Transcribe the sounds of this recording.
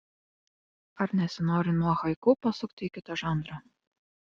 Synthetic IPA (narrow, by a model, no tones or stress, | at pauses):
ɐɾnʲɛsʲɪnoːɾʲɪnuɔxɐɪkupɐsʊkt̪ʲikʲɪt̪ɐʒɑˑnd̪ɾɐ